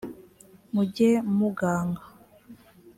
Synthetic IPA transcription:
muɟemuɡaːŋɡa

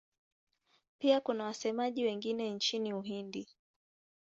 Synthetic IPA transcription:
piakunawasɛmaʄiwɛŋɡinɛnt͡ʃiniuɦindi

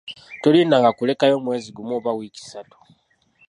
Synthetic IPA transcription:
tolinaŋɡakule̞kajo̞ːmwe̞ːziɡumoːβawiːci̥satu̥

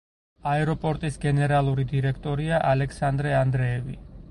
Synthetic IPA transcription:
aɛɾɔpʼɔɾt̪ʼisɡɛnɛɾalˠuɾid̪iɾɛkʰt̪ʼɔɾiaʔalɛkʰsand̪ɾɛand̪ɾɛːvḭ

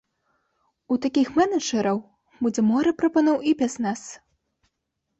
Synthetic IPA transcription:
ut̪akʲixmɛnɐʐɐɾɐw | bud͡zʲɛmɔɾɨpɾɐpɐnɔwipʲasnas

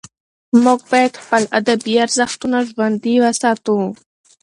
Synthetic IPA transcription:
mʊɡ̚bajad̪xpəlad̪abijaɾzaxt̪unaʒwand̪iwasɑːt̪ũ

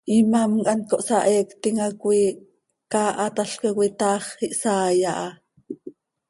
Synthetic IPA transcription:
ʔimamkʼɑnkoʔsɑʔekt̪iŋakwi | kaʔɑt̪aɬkekwit̪ɑːχiʔsaːjaʔɑ

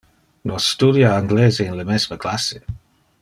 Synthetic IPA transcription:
nɔsːt̪udjaaŋɡleːzeinləmɛsməklase

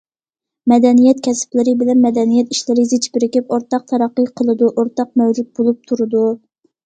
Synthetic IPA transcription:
mɛd̪ɛnijɛt̪̚kʲʰɛsplɪɾɨbɪlɛnmɛd̪ɛnijɛt̪iʃlɪɾɪzɪt͡ʃʰbɪɾɪkʲipoɾt̪ɑq̚t̪ʰɑɾɑqːəjqʰəlˠɨd̪uʔoɾt̪ɑq̚mɛwd͡ʒut̪̚bolˠup̚t̪ʰuɾɨd̪u

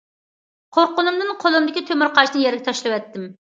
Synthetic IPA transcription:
qʰoɾqʊnɨmd̪ɨnqʰolˠumd̪ɪkʲit̪ʰømɪɾqʰɑʃnɨnjɛɾɡʲɛt̪ʰɑʃlˠɨwɛt̪ːɪm

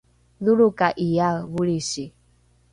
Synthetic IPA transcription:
ðuɺukaʔijaβuɺisi

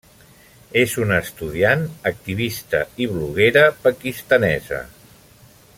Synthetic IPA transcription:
ezunəst̪uð̞ianək̚t̪iβ̞ist̪əiβluɣ̞eɾəpəkist̪ənɛzə̰

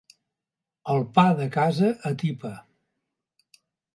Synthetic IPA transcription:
əlˠpaðəkazəʔːt̪ipə

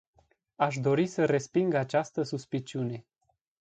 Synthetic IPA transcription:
aʃ̬d̪o̞ɾisəre̞spiŋɡat͡ʃast̪əsuspit͡ʃiune̞

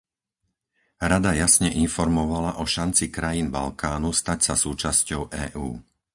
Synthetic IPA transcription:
ɾad̪ajasɲɛʔinfɔɾmɔʋalaʔɔʃant͡sikɾajinba̰lkaːnust̪acsasuːt͡ʃascɔʊʔɛ̰ːʔuː

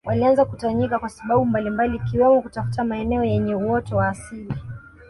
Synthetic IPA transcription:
wʔalianzakutaɲikakwasaɓaɓumbalimbaliːkiwɛmɔkutafu̥tamaɛnɛɔjɛɲɛwɔtɔwaːsili

